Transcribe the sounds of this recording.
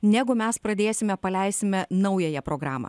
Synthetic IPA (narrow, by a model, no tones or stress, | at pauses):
nʲæɡʊmʲɛspɾɐd̪ʲeːsʲɪmʲɛpɐlʲɛɪsʲɪmʲɛnɐʊjɛjɛpɾoːɡɾɑːmɐ̰ː